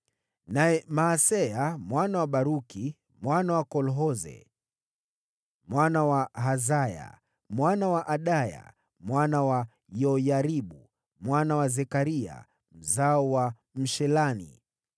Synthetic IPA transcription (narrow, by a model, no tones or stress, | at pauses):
naɛmaːsɛjamwanawaɓaɾuki | mwanawakɔlɦɔzɛ̰ | mwanawaɦazaja̰ | mwanawaʔaɗaja̰ | mwanawa | jɔjaɾiɓu | mwanawazɛkaɾia̰ | m̩zaɔwa | m̩ʃɛlanḭ